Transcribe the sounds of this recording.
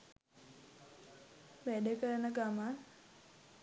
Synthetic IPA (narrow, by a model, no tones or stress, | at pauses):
ʋæɖəkəɾənəɡama